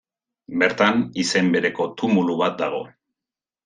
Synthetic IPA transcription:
be̞ɾt̪anise̞mbe̞ɾe̞ko̞t̪umuluβat̪̚d̪aɣ̞o̞̰

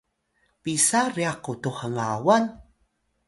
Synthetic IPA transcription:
pisariaqutuχəŋawan

